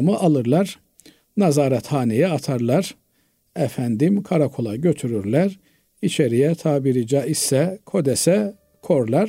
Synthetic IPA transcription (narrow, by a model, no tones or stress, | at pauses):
mɯʔɑlˠɯɾlˠɑɾ | nɑzɑːɾɑt̪hɑːnijɛɑt̪ʰɑɾlˠɑɾ | æfænd̪imkʰaɾakʰolˠɑɟøt̪ʰyɾyɾlæɾ | it͡ʃʰeɾijɛt̪ʰaːbiɾid͡ʒɑisɛkʰo̞d̪ɛsɛ | kʰoɾlˠɑɾ